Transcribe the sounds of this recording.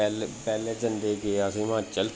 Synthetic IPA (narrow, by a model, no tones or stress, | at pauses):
ɛlpɛːleːd͡ʒənd̪eːkeəsĩːʋãːt͡ʃəl